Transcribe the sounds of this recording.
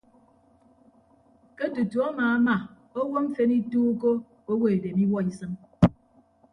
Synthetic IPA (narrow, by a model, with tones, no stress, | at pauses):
ke˦tu˨tu˨ɔ˦maː˨a˦ma˨ | o˦wo˦m̩˦fe˦ni˦tuː˦ko˦ | o˦wo˦e˨de˨mi˦wɔ˦i˦sɨ˦n